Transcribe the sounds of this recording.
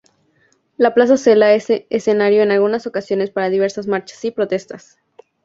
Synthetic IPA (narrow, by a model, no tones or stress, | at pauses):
laplas̬ase̞laesese̞naɾjo̞enalɣunaso̞kasjo̞ne̞spaɾaðiβ̞e̞ɾsazmaɾt͡ʃḁsipɾo̞t̪e̞st̪as